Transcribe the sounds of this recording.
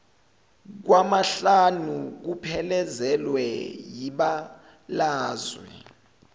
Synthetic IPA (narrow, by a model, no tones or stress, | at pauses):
k̬wamaɬanuk̬upʰɛlɛzɛlwɛjiɓa | laːzwɛ̰